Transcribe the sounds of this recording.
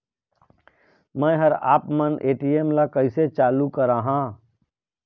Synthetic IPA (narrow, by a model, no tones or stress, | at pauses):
mɛ̃ːɦəɾa̰ːpmənʔeːʈieːmlakəɪset͡ʃaːlukəɾaːɦãː